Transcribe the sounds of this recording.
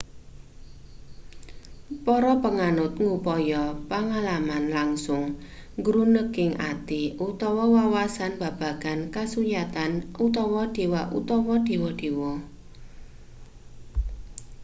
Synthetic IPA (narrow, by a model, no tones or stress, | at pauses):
pɔɾɔpəŋanʊt̪̚ŋupɔjɔpaŋalamanlaŋsʊŋɡɾunəkɪŋʔa̰t̪iut̪ɔwɔwawasanb̥a̤b̥a̤ɡ̥a̤nkasujat̪anut̪ɔwɔd̥e̤waʔṵt̪ɔwɔd̥e̤wɔd̥e̤wɔ